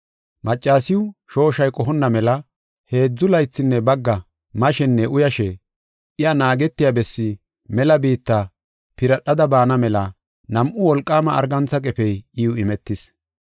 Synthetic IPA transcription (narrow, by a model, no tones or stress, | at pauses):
mɐt͡ʃʼːaːsɪwʊʃo̞ːʃɐjkʼɔɦɔnːɐmɛlɐ | he̞ːd͡zːʊlɐjt͡sːɪnːɛbɐɡːɐ | mɐʃɛnːɛʔʊjɐʃɛ | ɪjɐnaːɡɛt̪ːɪjabɛsːɪ | mɛlɐbiːt̪ːɐ | pɪɾɐɗɐd̪ɐbaːnɐmɛlɐ | nɐmʔʊwɔlkʼːaːmɐ̰ːɾɡɐnt͡sːɐkʼɛfɛjɪʊɪmɛt̪ːɪs